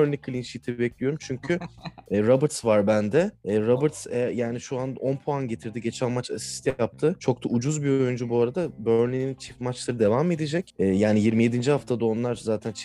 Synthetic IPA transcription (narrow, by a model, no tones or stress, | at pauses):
øɾnlʲikʰɯlʲinʃit̪ʰibɛclʲijo̞ɾumt͡ʃʰyɲcʰyɛːɾabɾt̪svaɾbænd̪ɛɛːɾabɯɾt̪sɛjaːniʃuano̞npʰoanɟe̞t̪ʰiɾd̪iɟe̞t͡ʃʰænmat͡ʃasi̥st̪ʰɛjap̚t̪ʰɯt͡ʃʰo̞k̚t̪ʰaʔud͡ʒuzbio̞jynd͡ʒubuaɾad̪abøɾnlʲinint͡ʃʰi̥fmat͡ʃlˠaɾɯd̪e̞vame̞d̪id͡ʒɛcɛːjaːnijiɾmije̞d̪ind͡ʒihaft̪ʰad̪ao̞nlˠaɾzaːt̪ʰænt͡ʃʰ